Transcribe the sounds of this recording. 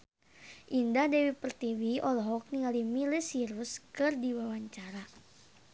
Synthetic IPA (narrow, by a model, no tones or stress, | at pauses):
ʔindahdɛwipərt̪iwiɔlɔɦɔk̚niŋalimilɛsiɾuskɨrdiwawaɲt͡ʃaɾa